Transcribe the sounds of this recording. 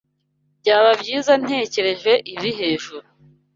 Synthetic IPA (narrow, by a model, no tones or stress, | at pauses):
bɟaːβabɟiːzan̥he̞ːce̞ɾe̞ʒwe̞ʔiβiɦe̞ːʒuɾu